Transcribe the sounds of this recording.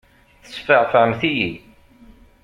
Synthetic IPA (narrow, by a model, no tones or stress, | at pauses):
θə̥sfəʕfəmθiji